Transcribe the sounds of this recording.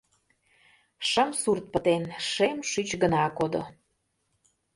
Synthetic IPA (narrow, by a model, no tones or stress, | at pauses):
ʃəmsurt̪̚pə̆t̪enʃemʃyt͡ɕɡənɑkod̪o̰